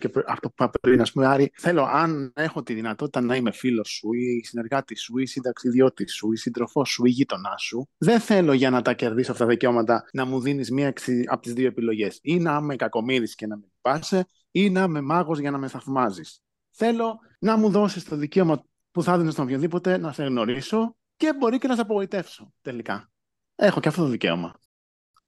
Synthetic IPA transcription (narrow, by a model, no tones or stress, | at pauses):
cepɐft̪opuɐpɾeɾiinɐspumeɐɾiθe̞lo̞ʔɐne̞xo̞t̪iðinɐt̪o̞t̪i̥t̪ɐnɐime̞filo̞suisine̞ɾɣɐt̪isuisind̪ɐksiðio̞t̪isuisind̪ɾo̞fo̞sːuiʝit̪o̞nɐsuðe̞nθe̞lo̞ʝɐnɐt̪ɐce̞ɾðisoɐft̪ɐt̪ɐðice̞o̞mɐt̪ɐnɐmuðinizmiɐeksiɐ̰pot̪izðioepilo̞ʝe̞sinɐmekɐko̞miɾisce̞nɐmepi̥pɐse̞ | inɐmemɐɣo̞zʝɐnɐme̞θɐvmɐzis | θe̞lo̞ | nɐmuðo̞sist̪o̞ðice̞o̞mɐ | puθɐðinist̪oopçoðipo̞t̪e̞nɐse̞ɣno̞ɾiso̞ | ce̞bo̞ɾice̞nɐs̬sɐp̬oɣo̞it̪e̞fso̞t̪e̞likɐ | e̞xo̞ceɐft̪ot̪oðice̞̰o̞̰mɐ̰